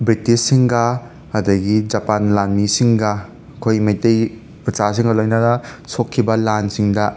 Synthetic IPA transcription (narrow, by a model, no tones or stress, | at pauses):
bɾitisːiŋɡɐː | dɐɡid͡ʒɐpanlanmisiŋɡɐ | kʰojmajtej | pɾɐt͡ʃas̬iŋɡɐlojnɐdɐsokʰːibɐlansiŋdɐ